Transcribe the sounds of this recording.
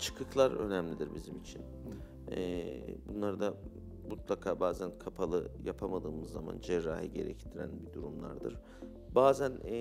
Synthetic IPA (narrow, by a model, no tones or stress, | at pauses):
t͡ʃʰɯ̥kɯklˠaɾø̞̰næmlʲid̪iɾbizimit͡ʃʰin | ɛbunlˠaɾd̪a | mut̪lˠakʰaːbaːzænkʰapʰalˠɯjapʰamad̪ɯːmɯzːama̰nd͡ʒɛɾːaːhiɟe̞̰ɾɛ̰ct̪ʰiɾæ̰nbid̪uɾumlˠa̰ɾd̪ɯɾ̥ | baːzæn